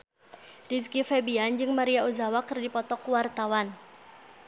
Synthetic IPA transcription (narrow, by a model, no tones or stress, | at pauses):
riskifɛbiand͡ʒɨŋmaɾiauzawakɨrdipɔt̪ɔkwart̪awan